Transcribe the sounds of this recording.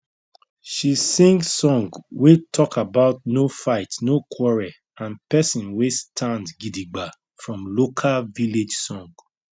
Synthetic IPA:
ʃisĩŋɡsɔ̃ŋɡwetʰɔkabaʊtnofaɪtnokʰwɔɹɛ | ãnpɛsɔ̃nwestʰãndɡidiɡ͡ba | fɹɔ̃mlokʰalviled͡ʒsɔ̃ŋɡ

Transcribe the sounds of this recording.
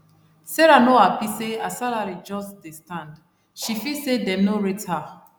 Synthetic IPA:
sɛɾanoapiseasalaɹid͡ʒɔsdestãnd | ʃifisedɛ̃mnoɹitha

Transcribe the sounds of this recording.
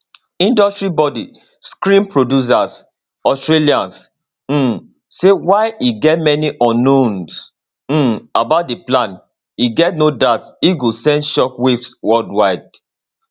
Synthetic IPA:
ĩndɔstɹibɔdi | skɹĩnpɹodjus̬as | ɔstɹeliãns̩ | sewaɪiɡɛtmɛniʔɔ̃nːõns̩ | abaʊt̚deplãn | iɡɛtnodatsiɡosɛ̃ndʃɔkwifswɔldwaɪd̚

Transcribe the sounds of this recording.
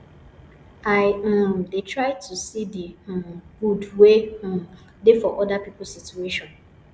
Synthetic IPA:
aɪdetʰɹaɪtʰusidiɡudwẽ | dɪfɔʔɔdapipʊl̩situeʃɔ̃n

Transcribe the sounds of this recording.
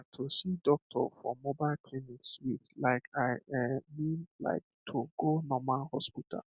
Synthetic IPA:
tʰusidɔk̚tʰɔ̰fɔ̰mɔbaɪlkʰlinikswiðlaɪkʰaɪɛmĩnla̰ɪk̚tʰoɡonɔmalhɔspitʰa̰l

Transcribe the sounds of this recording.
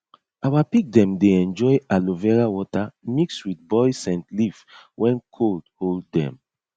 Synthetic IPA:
awapik̚dɛ̃mdeɛ̃nd͡ʒɔjalovɛɹawɔtamikswiθbɔjsɛ̃ntlifwʔɛ̃nkʰoldholdːɛ̰̃m

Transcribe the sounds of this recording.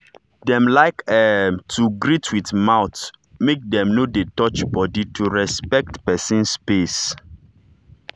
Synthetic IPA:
dɛ̃mlaɪkɛmtuɡɹitʰwitmaʊtmek̚dɛ̃mnodetɔt͡ʃbɔditʰuɹɛspɛk̚tpɛsĩnspes

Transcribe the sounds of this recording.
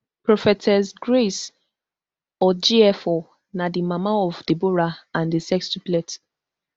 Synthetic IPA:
pɹɔfɛtʰɛsɡɹes | ɔd͡ʒiɛfɔ | nadimamaɔvdeboɹaãndisɛkstiplɛt

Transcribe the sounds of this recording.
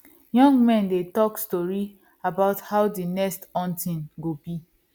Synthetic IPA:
jɔ̃ŋɡmɛ̃ndetɔkstɔɹi | abaʊthaʊdinɛstɔ̃ntĩnɡobi

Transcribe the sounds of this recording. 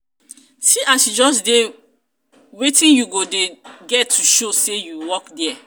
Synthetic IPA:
siʔasjud͡ʒɔs̬de | wetĩnjuɡodeɡɛtʰːuʃosejuwɔkdɛ

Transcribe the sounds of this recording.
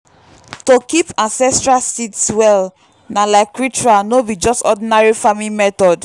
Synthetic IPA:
tokipãnsɛstɹalsitswɛl | nalaɪkːɹit͡ʃɹanobid͡ʒɔstɔdinaɹifamimɛtɔd

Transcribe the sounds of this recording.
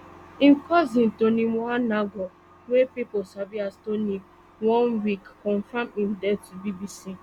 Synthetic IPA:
ĩnkɔzĩntonĩanaɡɔ | wepiposabiastonĩ | wɔ̃nwikːɔ̃nfamĩndɛtubibisi

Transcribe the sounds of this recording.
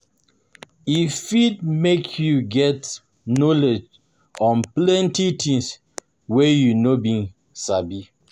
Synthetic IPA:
ifit̚mekʰjuɡɛt | nɔled͡ʒ | ɔ̃nplɛ̃ntitʰĩŋs | wɛjunobĩn | sabi

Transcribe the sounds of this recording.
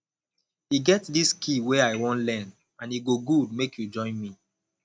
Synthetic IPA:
iɡɛtdiskʰiweaɪwɔ̃ntlɛ̃n | ãniɡoɡud̚mekjud͡ʒɔ̃ɪ̃nmi

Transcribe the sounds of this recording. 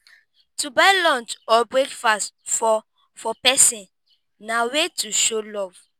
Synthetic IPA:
tubalɔ̃nt͡ʃɔbɹekfastfɔ | fɔpɛsĩn | nawetuʃolɔv̥

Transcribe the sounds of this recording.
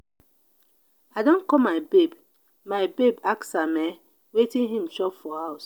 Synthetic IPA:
aɪdõnkɔmaɪbeb | maɪbebaksamɛ | wetĩnɦĩm̩ʃɔpfɔhaʊs

